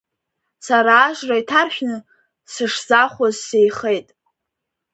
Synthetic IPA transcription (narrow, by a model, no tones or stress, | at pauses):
saɾaːʒraitʰarħᶣnɨ | sɨʂzaχʷazsejχe̞jtʼ